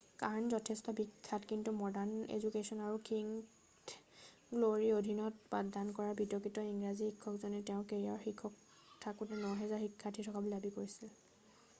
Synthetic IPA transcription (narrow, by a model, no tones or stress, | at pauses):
kaɹnzɔtʰɛstɔbikʰːatkintumɔdaɹnḛzukesɔnaɹukiŋ | ɡloɹiodʱinɔtpaddankɔɹabitɔkɹitɔiŋɹazihikʰːɔkzɔnɛteʊ̃keɹiaɹxikʰːɔk̚ | tʰakutɛnɔɦɛzaɹxikʰːatʰitʰɔkablabikoɹisil